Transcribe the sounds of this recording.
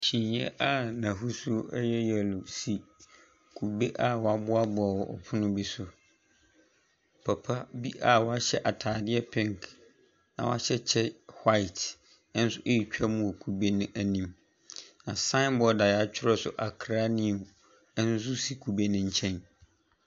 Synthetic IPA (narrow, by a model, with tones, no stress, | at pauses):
t͡ɕʰĩ˨njɛ̰˦ʔa˦nã˨ɦu˦sʊ˦ɛ˦jɛ˦jɛ˨lʊ˨si˨ | kʰu˨be˦ʔa˦wɔ˨a˨˦bʊ˦a˦bʊ˨a˨wɔ˨ʔɔ̰˨pʰʊ˦nʊ̃˦bi˦sʊ˨ | pʰa˨pʰa˦bi˦ʔa˨wɔ˦a˦ɕɛ˦ʔa˨tʰaː˨dɪ˦ɛ˦pʰɛ̃˦ŋk | nã̰˨w̰a̰˦ɕɛ˦t͡ɕʰɛ˦hwa˦ɪ˨t | n˦sʊ˦ʔe˦ji˨t͡ɕᶣa˦mũ˨kʰu˨be˦nʊ̃˦ʔæ˨nĩ˦m | nã˨sã˦nbɔ˨da˨ja˦t͡ɕᶣʰɪ˦ɾɔ˦sʊ̰˨ʔa˨kʰɾa˦nĩ˦u˨ | ɛ˦n̩˦su˦si˨kʰu˨be˦nɪ̃˦ɲ̩˦t͡ɕʰɛ̃˦n